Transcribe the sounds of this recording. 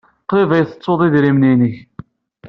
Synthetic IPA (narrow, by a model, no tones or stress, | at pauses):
qɾivæjθə̥t͡sˤːoðˤiðɾimninəç